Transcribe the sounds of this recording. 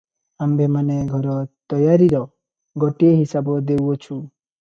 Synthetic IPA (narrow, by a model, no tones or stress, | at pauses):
ambʱemaneɡʱɔɾɔt̪ɔjaɾiɾɔ | ɡɔʈieɦisabɔd̪ewɔt͡ʃʰu